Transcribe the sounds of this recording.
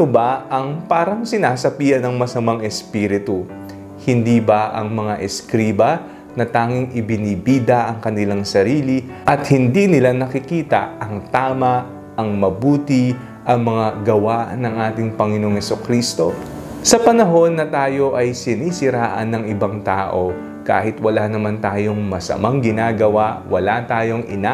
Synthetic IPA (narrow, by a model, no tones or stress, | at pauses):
obɐʔɐŋpaːɾɐŋsɪnaːsɐpiːjɐnɐŋmɐsɐmaŋɛspiːɾɪt̪u | hɪnd̪ibɐʔɐŋmɐŋaʔɛskɾiːbɐ | nɐt̪aːŋɪŋɪbɪnibiːd̪ɐʔɐŋkɐnɪlaŋsɐɾiːli | ʔɐt̪̚hɪnd̪inɪlanɐkɪkiːt̪ɐ̰ɐŋt̪aːmɐ | ɐŋmɐbuːt̪ɪ | ʔɐŋmɐŋaɡɐwanɐŋʔaːt̪ɪŋpɐŋɪno̞ŋhɛsokɾiːst̪o̞ | sɐpɐnɐɦo̞nːɐt̪aːjo̞ʔɐjsɪnisɪɾaːʔɐ̰nːɐŋɪbaŋt̪aːʔo̞ | ka̰ːhɪt̪wɐlanɐmant̪aːjo̞ŋmɐsɐ̰maŋɡɪnaːɡɐwawɐlat̪aːjo̞ŋʔɪ̰na